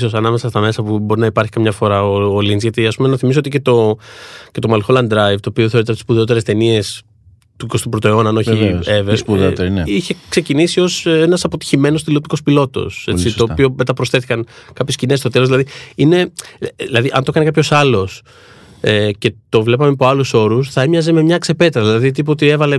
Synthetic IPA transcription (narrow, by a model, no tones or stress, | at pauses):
sosɐnɐme̞sɐst̪ɐme̞sɐpubo̞ɾinɐipɐɾçikɐmɲɐfo̞ɾɐoolinzʝɐt̪iɐspumenɐθimis̬ooice̞t̪o̞ | ce̞t̪o̞mɐlxolɐnd̪ɾɐjvt̪oːpioθe̞ɾit̪t̪spuðeot̪̬eɾest̪e̞nie̞s | t̪ukost̪upɾot̪oeo̞nɐnoçieevespuðeot̪eɾniçe̞kse̞cinisio̞senɐsɐpot̪i̥çime̞nost̪ilopt̪i̥ko̞spilo̞t̪o̞̰set͡sioːpio̞me̞t̪ɐpɾo̞sθe̞θikɐnkɐpçescinest̪o̞t̪e̞lozðilɐðiine̞ðilɐðiʔɐnt̪o̞kɐnekɐpço̞sɐlo̞s | ece̞t̪o̞vle̞pɐmepo̞ɐluso̞ɾusθɐemɲɐze̞me̞mɲɐkse̞pe̞t̪ɾɐðilɐðit̪̬ip̬ot̪ie̞vɐle̞